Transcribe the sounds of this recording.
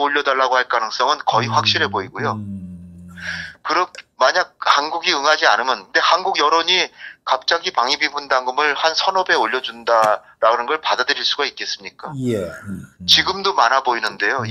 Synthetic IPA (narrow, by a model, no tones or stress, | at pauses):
oʎːʌdaɭːaɡohaɭk͈anɯŋs͈ʌŋɯnkʌiɸwak̚ɕ͈iɾɦe̞boiɡujo | kɯɾʌkmaɲaɡ̚hanɡuɡiɯŋɦad͡ʑianɯmjʌnkɯnde̞hanɡuɡjʌɾoɲikap̚t͡ɕ͈aɡipaŋibibundaŋɡɯmɯɭhansʰʌnʌbe̞oʎːʌd͡ʑunda | ɾanɯnɡʌɭpadadɯɾiɭs͈uɡait̚k͈e̞s͈ɯmɲik͈ajet͡ɕiɡɯmdomanɦaboinɯnde̞jo